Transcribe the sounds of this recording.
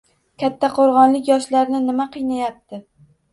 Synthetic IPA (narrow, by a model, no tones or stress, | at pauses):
kʲʰat̪ʰːaqʰoɾʁɒnlɪkʲjɒʃlaɾnɪnɪmaqʰɨjnajap̚t̪ɪ